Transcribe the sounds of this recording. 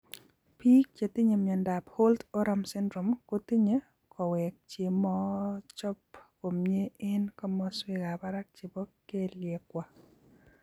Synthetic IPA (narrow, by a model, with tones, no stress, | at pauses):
pi˦k̚t͡ʃe˨t̪i˦ɲe˨mɲɛ˨nda˨pho˦lt̪o˦ɾa˦msɪ˦ndɾo˨mko˦ti˦ɲe˦ | kʰɔ˨wɛ˨k̚t͡ʃe˨mɔ˦t͡ʃɔ˦pko˨mɲe˦ɪ˦nkɔ˦mɔ˦swe˦ɡa˨ba˦ɾa˦k̚t͡ʃe˨bɔ˦kːe˦ljɛ˨kwa˨